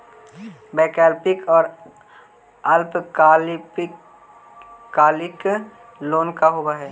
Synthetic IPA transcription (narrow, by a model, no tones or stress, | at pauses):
bɛːkɛːlpɪkɔːɾ | ɐlpkː | kaːlɪk | loːnkaɦobaɦɛː